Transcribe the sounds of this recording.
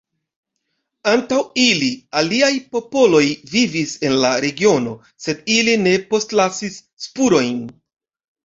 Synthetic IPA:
antawilialiajpo̞po̞lo̞jvivise̞nlaɾe̞ɡio̞no̞ | se̞diline̞po̞stlasisːpuɾo̞jn

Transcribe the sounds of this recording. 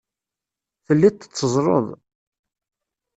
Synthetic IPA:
θəlːit̪ːə̥t͡sːəzˤɾˤə̰ðˤ

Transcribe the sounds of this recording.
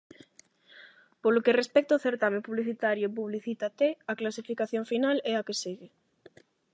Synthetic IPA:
polokerespɛk̚t̪aoθeɾt̪amẽpuβliθit̪aɾjop̬uβliθit̪at̪eaklasifikaθjoɱfinalɛakesiɣe

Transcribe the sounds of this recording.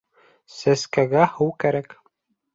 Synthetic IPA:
sæskæɡæhɤwkæɾæk

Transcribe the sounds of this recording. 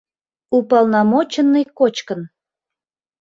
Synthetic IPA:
upɑlnɑmot͡ɕənːəjkot͡ɕkən

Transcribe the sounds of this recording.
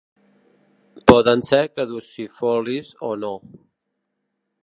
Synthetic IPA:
pɔðənsɛkəðusifɔlizono

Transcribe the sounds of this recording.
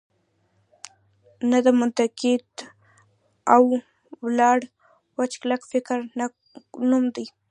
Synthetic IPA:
nad̪əmʊnt̪akɪd̪ | aw | wlɑɽ | wat͡ʃklakfɪkɾ | numd̪i

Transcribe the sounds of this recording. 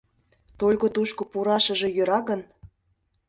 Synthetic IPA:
t̪olʲɣot̪uʃkopuɾɑʃə̆ʒe̽jø̆ɾɑɣən

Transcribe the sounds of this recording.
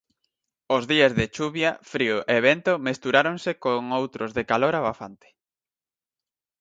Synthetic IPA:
ozðiezðet͡ʃuβjɐfɾioʔeβent̪omest̪uɾaɾoŋsekoŋowt̪ɾozðekaloɾaβafa̰nt̪e̥

